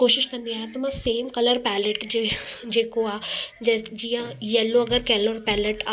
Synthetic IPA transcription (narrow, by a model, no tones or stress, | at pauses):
koːʃɪʃkɐ̃nd̪iaːɦẽt̪ɐmãseːmkɐləɾpɛːləʈd͡ʒd͡ʒeːkoaːd͡ʒd͡ʒijãjɛlːoɐɡəɾkɛːloːɾpɛːləʈa